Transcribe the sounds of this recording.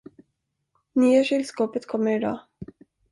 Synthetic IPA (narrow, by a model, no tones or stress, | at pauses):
nyːaʂɪlskoːpət̪kʰɔmːəɾɪd̪ɑ̰ː